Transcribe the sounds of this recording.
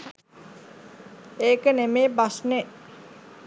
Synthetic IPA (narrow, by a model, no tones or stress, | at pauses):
eːkənemeːbasne